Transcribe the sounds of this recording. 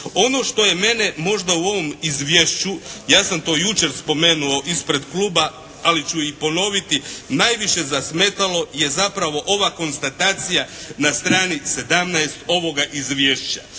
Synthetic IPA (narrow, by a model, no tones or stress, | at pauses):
o̞no̞ʃt̪o̞je̞me̞nemo̞ʒd̪auo̞ʋo̞mizʋje̞ʃt͡ɕujaːsamt̪o̞ːjut͡ʃe̞ɾspo̞me̞ːnuo̞ʔispɾe̞d̪kluːba | alit͡ɕuipo̞no̞ʋit̪inajʋiʃe̞zasme̞ːt̪alo̞je̞zapɾaʋo̞ʔo̞ʋako̞nst̪at̪aːt̪sijanast̪ɾaːnise̞d̪amnaest̪o̞ʋo̞ɡaʔizʋjeːʃt͡ɕa